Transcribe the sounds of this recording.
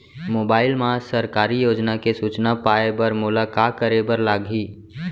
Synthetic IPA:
moːbaːɪlmãsəɾkaːɾijoːd͡ʒnakesuːt͡ʃnapaːebəɾmʊlakakəɾebəɾlaːɡʱiː

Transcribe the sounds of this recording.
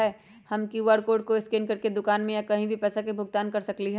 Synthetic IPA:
ɛ | hɐmkiuʋaːɾkoːɖ̚koɪskeːnkɐɾked̪ʊkaːnmẽjakɐɦĩbʱipɛːsakebʱʊɡ̚t̪aːnkɐɾsɐkliɦɛ

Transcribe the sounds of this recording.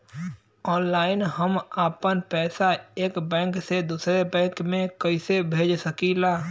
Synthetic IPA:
ɔːnlaːɪnɦəmaːpənpɛːsaeːkbɛ̃ːŋksed̪uːsɾebɛ̃ːkmẽkəɪsebʱeːd͡ʒsəkilaː

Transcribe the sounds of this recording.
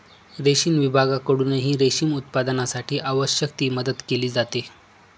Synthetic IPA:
ɾeɕiːnʋibʱaɡakəɽuːneɦiːɾeɕiːmut̪̚pad̪ənasaʈʰiːʔaʋəɕjək̚t̪iːməd̪ət̪keliːd͡zat̪e

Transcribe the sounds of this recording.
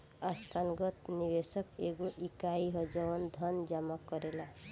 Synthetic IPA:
ast̪ʰanɡʌt̪nibesʌkeɡoʔikaiɦʌd͡ʒʌwənd̪ʱʌnd͡ʒamakʌɾela

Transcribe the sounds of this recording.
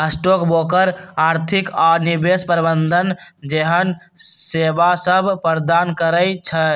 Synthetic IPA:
ɦəsʈokbokəɾaɾt̪ʰikanibespəɾibənd̪ʱənd͡ʒeɦən | sebasəbʱpəɾd̪ankəɾəjt͡ʃʰə

